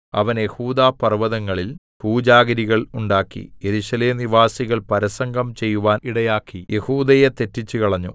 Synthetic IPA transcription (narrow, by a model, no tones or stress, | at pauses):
ɐ̰ʋɐnje̞huːd̪aːpɐrʋɐðɐŋːɐɭil | puːd͡ʑaːɡɐɾiɣɐɭuɳɖaːkːḭjeɾuɕɐleːmniʋaːsiɣɐɭpɐɾɐsɐŋɡʱɐmt͡ɕe̞jːuʋaːniɽɐjaːkːije̞huːd̪ɐjet̪e̞tːit͡ɕːukɐɭɐɲːṵ